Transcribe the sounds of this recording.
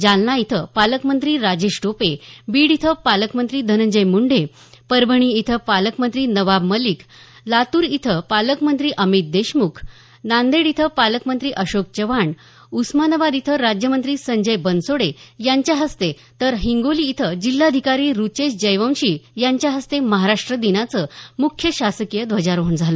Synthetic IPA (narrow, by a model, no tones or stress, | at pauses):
d͡ʑalnait̪ʰəpaləkmənt̪ɾiːɾad͡ʑeɕʈopebiːɽit̪ʰəpaləkmənt̪ɾiːd̪ʱənəɲd͡ʑəjmuɳɖe | pəɾbʱəɳ̃iit̪ʰəpaləkmənt̪ɾiːnəʋabməliklat̪uːɾit̪ʰəpaləkmənt̪ɾiːʔəmit̪̚d̪eɕmukʰ | nãnd̪eɽit̪ʰəpaləkmənt̪ɾiːʔəɕok̚t͡ɕəʋaɳ | usmanəbad̪it̪ʰəɾad͡ʑjəmənt̪ɾiːsəɲd͡ʑəjbənsoɽejaɲt͡ɕjaɦəst̪e | t̪əɾɦiŋɡoliːt̪ʰəd͡ʑilːad̪ʱikaɾiːɾut͡ɕeɕd͡ʑəjʋə̃w̃ɕiːjaɲt͡ɕjaɦəst̪eməɦaɾaʂʈɾəd̪inat͡səmukʰːjəɕasəkijəd̪ʋəd͡ʑaɾoɦund͡zʱalo